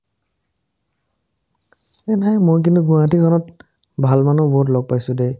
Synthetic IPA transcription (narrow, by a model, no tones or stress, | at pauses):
ɛnajmojk̬intuɡũatikʰɔnɔt | bʱalmanɔbɔɦut̬lɔɡ̚pajsʊ̃de